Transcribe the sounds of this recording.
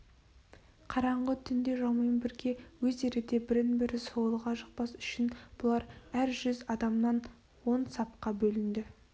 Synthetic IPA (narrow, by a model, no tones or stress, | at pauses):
qʰɑɾɑɴʁət̪ʰʏnd̪e̞ʒɑwmɑjənbɪɾɡʲe̞wɵze̞ɾɪd̪e̞bɪɾɪnbɪɾɪsolˠəʁɑʒəq̚pɑsʏ̥ʃɪnb̥ʊlˠɑɾæɾʒʏzɑd̪ɑmnɑn | wo̞nsɑp̚qɑbɵlɪnd̪ɪ